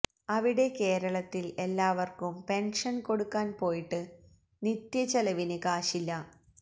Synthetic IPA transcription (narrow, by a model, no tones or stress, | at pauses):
ɐʋiɽe̞ke̞ːɾɐɭɐt̪ːile̞lːaːʋɐrkumpe̞nʂɐnko̞ɽukːaːnpo̞ːjiʈːɨ | nit̪jɐt͡ɕɐlɐʋinɨkaːʂilːɐ